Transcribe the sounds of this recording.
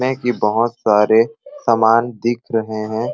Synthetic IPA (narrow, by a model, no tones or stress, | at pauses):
ẽkibəɦʊt̪saːɾesaːmaːnd̪ɪkʰɾɐɦeɦɛ̃ː